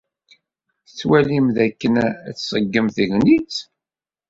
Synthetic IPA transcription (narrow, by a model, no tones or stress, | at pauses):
t͡sːwælimðækːənt͡sːsˤəɡːəmθəʝnit͡s